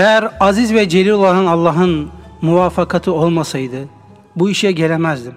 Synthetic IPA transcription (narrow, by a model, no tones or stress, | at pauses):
ejæɾazizvɛd͡ʒe̞lʲiɾolˠanɯnɑlˠːɑːɦɯnmuvaːfakʰat̪ʰɯo̞lˠmasajd̪ɯ | buiʃjɛɟe̞lʲemæzd̪im